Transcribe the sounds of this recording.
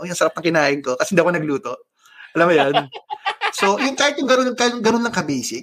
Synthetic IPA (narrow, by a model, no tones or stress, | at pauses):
ojʊŋsɐɾap̚nɐŋkɪnaːʔɪnkokɐsɛnd̪ɐwkɐnɐɡluːt̪o̞ʔ | ʔɐlɐmːʊjon | sojʊŋkaːhɪt̪̚jʊŋɡɐnonkaʊŋɡɐnonlɐŋkɐbɛːsɪ